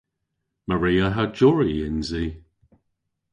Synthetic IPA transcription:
məɹiːəɦad͡ʒɔɹiɪnziː

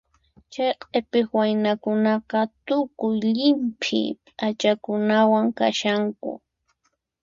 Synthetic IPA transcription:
t͡ʃajqʼepɪxwajnakʊnɑqɑt̪ʊkʊjʎɪmpʰɪ̰pʼat͡ʃakʊnawaŋka̰ʃaŋkʊ̰

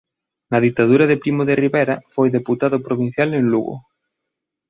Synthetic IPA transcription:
nɐðit̪að̞uɾɐðepɾimoðeriβɛjɾɐfojðeput̪aðʊpɾoβin̟θjaleŋluɣo̰

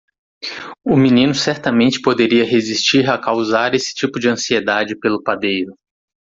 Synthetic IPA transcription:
ʊminĩnʊsɛɾt̪ɐmẽnt͡ʃɪ̥pod̪eɾiɐɦezist͡ʃiɾakawzaɾesɪ̥t͡ʃipʊd͡ʒɪɐ̃sied̪ad͡ʒɪpelʊpad̪ejɾʊ

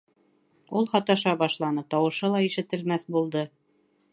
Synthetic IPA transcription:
ulˠhɑt̪ɑʃɑbɑʃlˠɑnɤt̪ɑwɤ̆ʃɤlˠɑiʃɘ̆t̪ɘ̆lmæθbulˠd̪ɤ

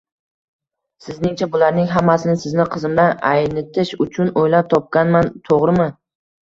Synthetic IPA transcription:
sɪznɪŋt͡ʃʰabʊlaɾnɪŋɦamːasɪnɪsɪznɪqʰɨzɪmd̪ana̰jnɪt̪ʰɪʃʊt͡ʃʰʊnojlap̚t̪ʰɒp̚kʲanmant̪ʰoʁɾɪmɪ

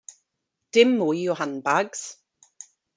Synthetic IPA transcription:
d̥ɪmːujjʊhanbaɡz̥

